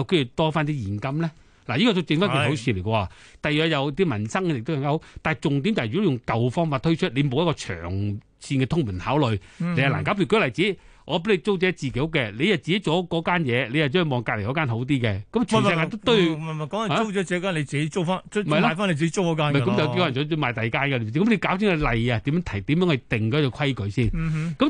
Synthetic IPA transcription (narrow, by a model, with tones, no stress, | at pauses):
jɐ˨˧wke˥jy˨˩t̪ɔː˥faː˥nt̪i˥jiː˨˩nkɐ˥mlɛ˥ | la˨˩jiː˥kɔː˧t̪ʊ˨˧wt͡sɪ˧ŋfaː˥i˨˩o˨˥sʰiː˧nle˨˩kɔː˧waː˨˩t̪ɐ˨jœː˨˩jɐ˨˧wt̪iː˥mɐ˨˩nsɐ˥ŋkɛ˧jk̚to˥wkɐ˨˧ŋkaː˥ɦo˨˦wt̪aː˨t͡sʊ˨˩ŋt̪̬iː˨˥mt͡ɕaː˨jjʊ˨ŋkɐ˨wfɔː˥ŋfaː˧t̪̚ʰɵ˥ɥt͡ʃʰt̚le˨˧jmo˨˧wjɐ˥kɔː˧t͡ʃʰœ̰ː˨˩ŋ | siː˧nkɛ˧t̪ʰʊ˥ŋmu˨˩nhaː˨˥wlɵ˨˩jle˨˧ja˨la̰ː˨˩nkaː˨˥p̬yː˨˧kɵ˥lɐ˨˩jt͡siː˨˥ʔɔː˨˧pe˨˥le˧jt͡so˥wt͡sɛː˨˥t͡siː˨˩ke˨˥jʊ˥kɛ˧le˨˧jɐ˨wt͡siː˨ke˦˥t͡sɔ˨˥wkɔː˨˥kaː˥njɛː˨˧le˨˧jɐ˨wt͡ɕɔː˥˨˩mɔː˨ŋkaː˧le˨˩kɔː˨˥kaː˥nɦo˨˥wt̪iː˥kɛ˧kɐ˨˥mt͡ʃʰːjkaː˧t̪o˥wt̪ɵ˥ɥm˨kɐ˨˦m˨˦o˥wɛː˨˥t͡ɕi˨˥kaː˥le˧jt͡siː˨ke˦jt͡so˥wfaː˥n˥mɐ˨˩jla˥˨jfaː˥nle˧jt͡ɕ̬i˨e˦˥t͡so˥wkɔː˨˧˥kaː˥m˨˩˧kɐ˦mjɐ˨wke˥wɔː˨˥˩t͡sɔː˨˥˧maː˨jt̪ɐ˨jkaː˥nka˧e˧˨˥kɐ˨˦mle˨˧jkaː˨˥wsʰɪ˨˥ŋɐ˨˧lɐ˨ja˧t̪iː˨˥mjœː˧˥ŋt̪ʰɐ˨˩t̪iː˨˥mjœ˧˥ŋhɐ˨jt̪ɪ˨˩ŋkɔ˨˥ɔ˨˧kʰɐ˥jkɵ˨˧ɥsiː˥˩n˨kɐ˨˥m